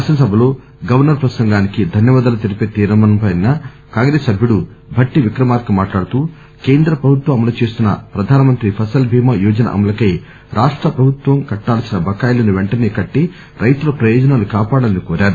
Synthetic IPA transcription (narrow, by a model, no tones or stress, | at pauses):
sɐnɐsɐbʱɐlo̞ː | ɡɐʋɐɾnɐɾpɾɐsɐŋɡaːnikid̪ʱɐnjɐʋaːd̪ɐlɐt̪iɾipeːt̪iːɾɐmɐnɐmpɐjnɐ | kaːŋɡɾeːsɐbʱjuɽu | bʱɐʈːiʋikɾɐmaːɾkɐmaːʈlaːɽut̪uː | keːnd̪ɾɐpɾɐbʱut̪ʋɐɐmɐlut͡ʃe̞ːst̪unːɐ̰pɾɐd̪ʱaːnɐmɐnt̪ɾipʰɐsɐlbʱiːmɐjuːd͡ʒɐnɐ̰ʔɐ̰mɐlɐkɐj | ɾʔaːʂʈɾɐpɾɐbʱut̪ʋɐmkɐʈːaːlɐsinɐbʱɐkaːjlɐniʋeɳʈɐneːkɐʈːi | ɾʔɐjt̪ulɐpɾɐjɔːd͡ʒɐnaːlukaːpaːɽɐlɐnikɔːɾaːɾu